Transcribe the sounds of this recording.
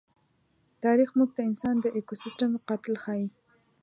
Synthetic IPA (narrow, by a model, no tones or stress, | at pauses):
t̪ɑɾixmuɡ̚d̪əɪnsɑnd̪əʔekosɪsʈamqɑt̪ɪlxɑji